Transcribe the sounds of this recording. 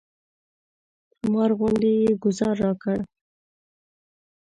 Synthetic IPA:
mɑɾɣʊnd̪ejeɡʊzɑɾːɑkəɽ

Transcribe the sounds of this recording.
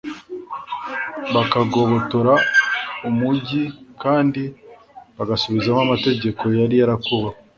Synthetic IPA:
βakaɡo̞βo̞toɾaumuɟikʰaːndi | βaɡasuβizamamate̞ɟe̞kʰo̞jaɾijaɾakoβa

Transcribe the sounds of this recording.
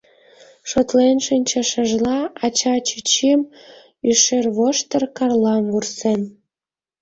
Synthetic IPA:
ʃot̪lenʃinʲt͡ɕə̆ʃə̆ʒlɑɑt͡ɕɑt͡ɕyt͡ɕem | yʃerβoʃt̪ərkɑrlɑmvursen

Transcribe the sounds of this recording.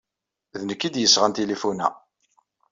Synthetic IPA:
ðnəkːid̪jəsːʁant̪ilifunæ̰

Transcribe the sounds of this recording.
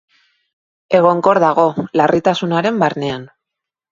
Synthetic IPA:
e̞ɣ̞o̞ŋko̞ɾðaɣ̞o̞larit̪asunaɾe̞mbaɾne̞an

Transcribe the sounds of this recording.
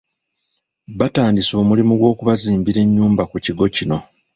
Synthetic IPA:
βataːndiso̞ːmulimuɡwo̞ːkuβaziːmbiɾe̞ɲːuːmbakuciɡo̞cino̞

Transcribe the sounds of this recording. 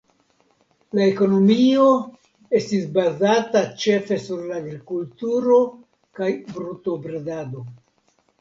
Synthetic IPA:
lae̞ko̞no̞mio̞ | e̞stisbazatat͡ʃe̞fe̞suɾlaːɡɾikultuɾo̞ | kajbɾuto̞bɾedado̞

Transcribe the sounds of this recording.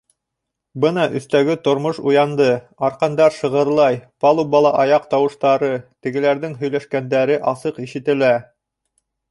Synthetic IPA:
bɤnɑʔɵ̰̆θt̪æɡɘt̪ŏɾmoʃujɑnd̪ɤ | ɑɾqɑnd̪ɑɾʃɤ̆ʁɤ̆ɾlˠɑjpɑlˠubɑlˠɑʔɑjɑq̚t̪ɑwɤ̆ʃt̪ɑɾɤt̪ɘ̆ɡɘ̆læɾðɘŋɦɵ̆jlæʃkænd̪æɾɘʔɑsɤqiʃɘ̆t̪ɘ̆læ

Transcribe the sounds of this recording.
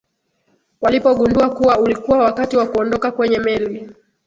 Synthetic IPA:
walipɔɠunduakuwaulikuwawakatiwakuɔndɔkakwɛɲɛmɛli

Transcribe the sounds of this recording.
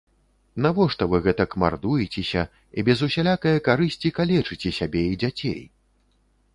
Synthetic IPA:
navɔʂt̪ɔvɨɣɛt̪ɐkma̰rd̪ujit͡sʲɛsʲɐ | ḭbʲɛzusʲalʲakɐjɐkaɾɨsʲt͡sʲikalʲɛt͡ʂɨt͡sʲɛsʲabʲeid͡zʲat͡sʲḛj

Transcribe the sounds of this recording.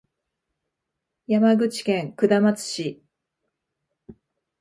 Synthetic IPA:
jamaɡɯ̟t͡ɕi̥kẽ̞ŋkɯ̟d̪amat͡sɨ̥ɕi

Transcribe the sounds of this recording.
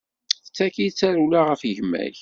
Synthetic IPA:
θət͡sːækit͡sːæɾulaʁəfʝəmːæ̰ʝ

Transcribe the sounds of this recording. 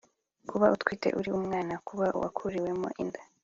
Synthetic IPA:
kʰuβaʔutwiːte̞̰ʔuɾiumŋaːnakuβaʔṵwa̰kʰuɾiwe̞mo̰ʔinda

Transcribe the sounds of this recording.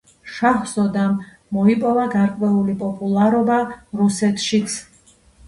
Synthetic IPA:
ʃaχzɔd̪amː | ɔipʼɔvaɡaɾkʼwɛulipʼɔpʼulˠaɾɔbaɾusɛt̪ʰʃit̪sʰ

